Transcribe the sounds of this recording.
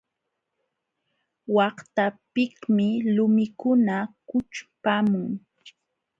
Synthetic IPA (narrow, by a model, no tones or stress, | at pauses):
wɑht̪apɪkmɪlʊmɪkʊnakʊt͡ʃpamʊŋ